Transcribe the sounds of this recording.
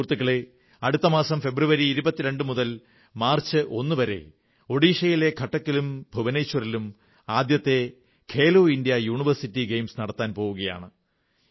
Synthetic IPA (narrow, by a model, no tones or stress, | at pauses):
uːrt̪ːukːɐɭe | ɐɽut̪ːɐmaːsɐmfe̞bruʋɐɾiːɾubɐt̪ːiɾe̞ɳɖɨmuðɐl | maːrt͡ɕːɨʔo̞nːɨʋɐɾe̞̰ | o̞ɽiːʂɐjile̞ɡʱɐʈːɐkːilumbʱuʋɐneːt͡ɕːʋɐrilum | aːd̪jɐt̪ːe̞ | kʰe̞ːloːindijɐjuːɳiʋɐrsitːiɡe̞jmsnɐɽɐt̪ːaːnpo̞ːʋuɣɐja̰ːɳɨ